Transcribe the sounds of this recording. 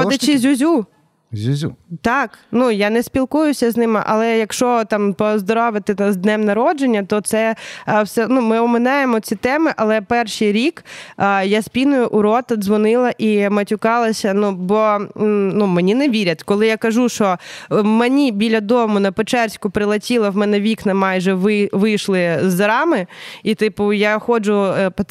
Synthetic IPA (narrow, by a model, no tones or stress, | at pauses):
ɔdʲɐt͡ʃɪzʲʊzʲu | zʲuzʲut̪ɑknujanɛspʲilˠkujʊsʲɐznɪmɪ̰ʔɐ̰lˠɛjɐkʃt͡ʃɔt̪ɑmpɔzd̪ɔɾɔʋɪt̪ɪzd̪nɛmnɐɾɔd͡ʒenʲːɐt̪ɔt̪sɛwsɛnumɪɔmɪnajemɔt͡sʲit̪ɛmɪʔɐlˠɛpɛrʃijɾʲikːjasʲpʲinʊjʊʔʊɾɔt̪ɐd̪zʋɔnɪlˠɐʔimɐtʲʊkɑlˠɐsʲɐnubɔnumenʲineʋʲiɾʲɐt̪ʲkɔlˠɪjakɐʒuʃɔmenʲibʲilʲɐd̪ɔmʊnɐpet͡ʃɛrsʲkʊpɾɪlˠɐtʲilˠɐwmɛnɛʋʲiknɐmɑjʒɛʋɪʋɪjʃlˠɪzːɐɾɑmɪit̪ɪpʊjaxɔd͡ʒʊp